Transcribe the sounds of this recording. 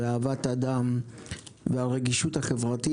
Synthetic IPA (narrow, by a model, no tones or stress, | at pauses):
aːvat̪ad̪am | vealʁeɡiʃuthaχevʁat̪i